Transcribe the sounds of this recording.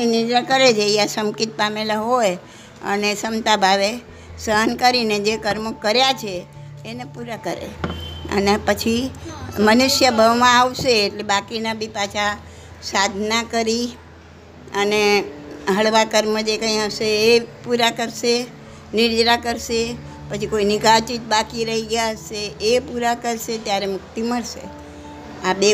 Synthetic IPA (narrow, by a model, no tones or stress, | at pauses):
inɪɾd͡ʒɾakəɾed͡ʒʰejasəmkit̪̚pamelaɦoj | ə̰nesəmt̪abʱaʋe | səɦənkəɾined͡ʒekəɾmokəɾjat͡ʃʰeː | nepuɾakəɾḛə̰nepət͡ʃʰimənuʃjəbʱəʋmãaʋʃeːʈlebakinabʱipat͡ʃʰa | sad̪ʱnakəɾi | əneɦəɭʋakəɾməd͡ʒekə̃ĩaʋʃeːpuɾakəɾʃe | nɪɾd͡ʒɾakəɾʃe | pət͡ʃʰikoinɪɡat͡ʃit̪̚bakiɾəɦiɡjaɦəʃeʔepuɾakəɾʃet̪jaɾemʊkt̪iməɭʃḛ | abe